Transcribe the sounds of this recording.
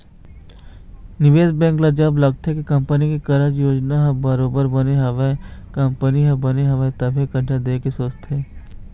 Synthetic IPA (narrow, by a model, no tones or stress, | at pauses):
nɪʋeːd͡ʒbɛ̃ːŋklɐd͡ʒɐblɐɡ̚t̪ekekɐ̃mpənikekɐɾəd͡ʒjoːd͡ʒnaɦɐbɐɾoːbəɾbɐneɦɐʋekɐ̃mpəniɦɐ̃bɐneɦɐʋet̪ɐbʱikɐɖʱad̪eːkesoːt͡ʃt̪ʰɦeː